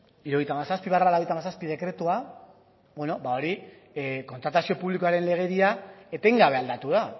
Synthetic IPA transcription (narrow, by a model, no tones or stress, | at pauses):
iɾuojt̪amasaspiβaralaojt̪amasaspið̞e̞kɾe̞t̪ua | bweno̞bao̞ɾi | ko̞nt̪ɾat̪asio̞puβlikoaɾe̞nle̞ɣ̞e̞ɾiae̞t̪e̞ŋɡaβe̞ald̪at̪uða